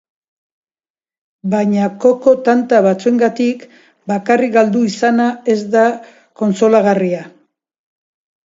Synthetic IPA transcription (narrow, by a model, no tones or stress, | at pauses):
bajɲako̞ko̞t̪ant̪aβat͡sue̞ŋɡat̪ik | bakarikɡald̪uisanae̞zd̪a | ko̞nso̞laɣaria